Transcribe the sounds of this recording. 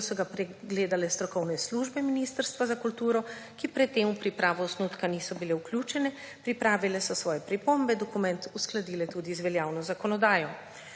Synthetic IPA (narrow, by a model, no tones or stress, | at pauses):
sɔɡapɾɛɡleːd̪alɛst̪ɾɔkɔwnɛsluʒbɛminist̪əɾst̪ʋazakult̪uːɾɔ | kipɾɛt̪ːeːmupɾipɾaːʋɔːsnut̪kanisɔbilɛwklʲjuːt͡ʃɛnɛ | pɾipɾaːʋilɛsɔsʋɔːjɛpɾipombɛd̪ɔkumɛ̃nt̪usklad̪iːlɛt̪ud̪izʋɛljaːwnɔzakɔnɔd̪aːjɔ